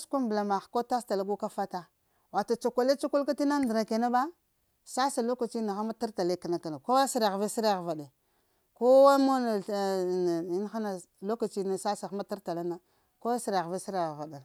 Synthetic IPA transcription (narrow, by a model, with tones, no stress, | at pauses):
skʷu˦mbla˨ma˨xko˦ta˦sta˨la˦ɡu˦ka˦fa˦ta˦ | wa˨ta˨t͡ʃa˨kʷa˨le˦t͡ʃu˦ku˦lka˦ti˦na˦ndɾa˨ke˨na˦ba˦ | sa˦sa˨lo˦ka˨t͡ʃi˦na˨xa˦ma˦ta˦ɾta˨le˦ka˨na˨ka˨na˨ko˦wa˦si˦ɾɣve˦si˦ɾa˨ɣva˨de˨ | ko˦wa˦mo˦na˨i˦n˦xa˦na˨ | lo˦ka˨t͡ʃi˦na˨sa˦sa˨xa˦ma˦ta˦ɾta˨la˦na˦ | ko˦a˦si˦ɾɣve˦si˦ɾva˨da˨n˨